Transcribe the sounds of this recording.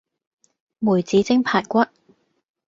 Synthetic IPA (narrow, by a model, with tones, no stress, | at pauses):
muː˨˩jt͡siː˨˥t͡sɪ˥ŋpʰaː˨˩tkʷɐ˥t̚